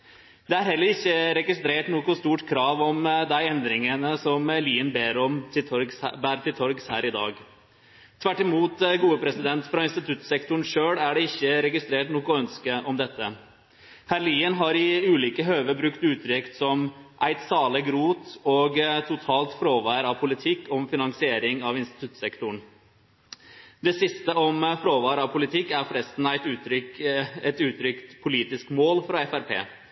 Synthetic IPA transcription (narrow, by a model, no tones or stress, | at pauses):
d̪ɛæɾɦɛlːəɾɪçːəɾɛɡɪst̪ɾeːʈnukʊst̪uːʈkʰɾɑːʋɔmd̪æɪɛnd̪ɾɪŋənəsɔmliːənbeːɾɔmsbæːɾt̪ʰɪlt̪ʰɔɾɡshæ̰ːɾɪd̪ɑ̰ːɡ | t̪ʰʋæʈːɪmuːt̪ɡuːəpʰɾɛsɪd̪ɛnt̪fɾɑɪnst̪ɪt̪ʰʉt̪ːsɛkt̪ʊɳ̩ʂøːɽæɖɛɪçːəɾɛɡɪst̪ɾeːʈnuːkɔœnskəʔɔmd̪ɛt̪ːə | hæɾliːənɦɑɾɪʉːliːkəɦøːʋəbɾʉkt̪ʉːt̪ʰɾʏkt̪sɔmʔæɪt̪sɑːləɡɾuːt̪ɔːɡt̪ʰʊt̪ʰɑːlt̪fɾoːʋɑːɾɑʋpʰʊlɪt̪ʰɪkːɔmfɪnɑŋsɪeːɾɪŋɑʋɪnst̪ɪt̪ʉt̪sɛkt̪ʊɳ | d̪ɛsɪst̪əɔmfɾoːʋɑːɾɑʋpʰʊlɪt̪ʰɪkːæɾfɾɛst̪n̩æɪt̪ʉːt̪ʰɾʏkɛt̪ʉːt̪ʰɾʏkt̪pʰʊliːt̪ɪskmoːlfɾɑɛfæɾpʰḛː